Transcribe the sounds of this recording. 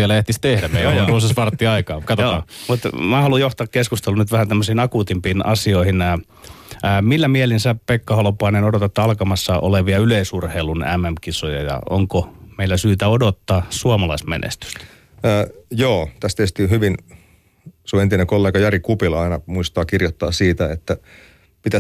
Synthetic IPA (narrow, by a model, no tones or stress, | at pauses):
ielæeht̪ist̪ehdæmeiousesʋɑrt̪ːiɑikɑːkɑt̪ojoːmut̪mæhɑlujoht̪ɑːkkeskust̪elunyt̪ʋæhænt̪æmːøsiinɑkut̪impiːnɑ̰sioihinː | milːæmielinsæpekːɑhɑlopoɑinenodot̪ɑt̪ːɑlkɑmɑsːɑʔo̰leʋiɑyleisurheilunæ̰mːæmkisojɑ̰jɑ̰o̰ŋkomeilːæsyːt̪æodot̪ːɑːsuɑmɑlɑismḛnḛst̪y̥st̪ː | joːt̪æst̪eht̪iːhyʋin | suent̪inekolːeːɡɑjɑɾikupilɑinɑmuist̪ɑːkirjot̪ːɑ̰ːsiːt̪æet̪ːæ | pit̪æ